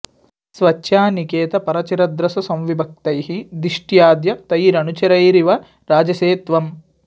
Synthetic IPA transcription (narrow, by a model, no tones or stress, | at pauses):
sʋɐt͡ʃːʃjaːnikeːt̪ɐpɐɾɐt͡ʃiɾɐd̪ɾɐsɐsɐmʋibʱɐk̚t̪ɐjɦid̪iʂʈjaːd̪jɐt̪ɐjɾɐnut͡ʃɐɾɐjɾiʋɐ | ɾaːd͡ʒɐseːt̪ʋɐm